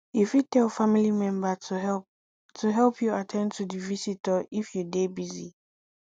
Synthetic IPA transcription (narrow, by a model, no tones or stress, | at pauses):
ifjutɛlfamilimɛ̃mbatɛ | tʰuɦɛlˠpʰjuatʰɛ̃ntʰudivisitəifjudebizḭ